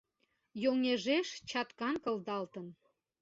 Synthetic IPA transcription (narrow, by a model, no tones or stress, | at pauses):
joŋeʒeʃt͡ɕɑt̪kɑnkə̆ld̪ɑlt̪ən